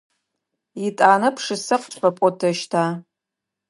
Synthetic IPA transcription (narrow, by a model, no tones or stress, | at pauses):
itʼaːnɨpʰʂɨsɨqʷt͡ʃʷʰʼħapʷʼɔtʰɐʃtʰa